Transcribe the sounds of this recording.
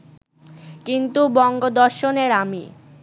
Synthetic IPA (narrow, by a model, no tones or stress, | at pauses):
kint̪ubɔŋɡod̪ɔɾʃoneɾamḭ